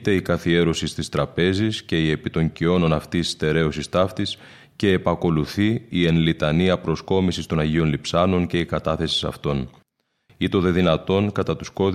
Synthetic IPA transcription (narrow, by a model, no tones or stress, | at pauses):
t̪e̞ikɐθie̞ɾosist̪ist̪ɾɐpe̞zisce̞ie̞pit̪o̞ɲcio̞no̞nɐft̪ist̪e̞ɾe̞usist̪ɐft̪is | ce̞ːpɐko̞luθiienlit̪ɐniɐpɾo̞sko̞misist̪o̞nɐʝio̞nlipsɐno̞nce̞ikɐt̪ɐθe̞si̥sɐ̰ft̪o̞n | it̪o̞ðe̞ðinɐt̪o̞ŋkɐt̪ɐt̪u̥sko̞ð